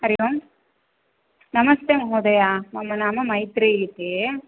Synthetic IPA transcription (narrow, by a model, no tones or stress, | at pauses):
ɐɾɪʋɐm | nɐmɐst̪eːmɐɦoːd̪ɐjaːmɐmːɐnaːmɐmɐɪt̪ɾeːjit̪ːe